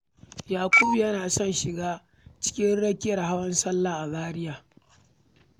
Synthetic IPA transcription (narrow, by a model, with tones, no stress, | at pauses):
jaː˨kʷʊ˦bjɐ˦naː˨sɔ˦nʃɪ˨ɡaː˦ | t͡ʃɪ̥˦kʲɪ˦ɽɐ˦kʲɪ˦jɐ˨rɦa˦wɐ˦nsɐ˦lːaː˨ʔa˨baː˦ɾɪ˦jaː˨